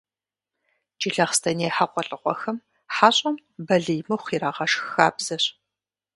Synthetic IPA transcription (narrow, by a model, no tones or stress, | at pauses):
t͡ʃʼɪɮɐχstʰɐneːħaqʷʼɔɬʼɨqʷɔ̰xɐm | ħaːɕʼɐmbɐɮɨjmɐwχiːɾaːʁɐʃxaːbz̥ɐɕ